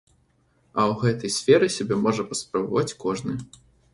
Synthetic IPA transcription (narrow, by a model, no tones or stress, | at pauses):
ɐwɣɛt̪ɐjsʲfʲɛɾɨsʲɐbʲɛmɔʐɐpɐspɾɐbɐvat͡sʲkɔʐnɨ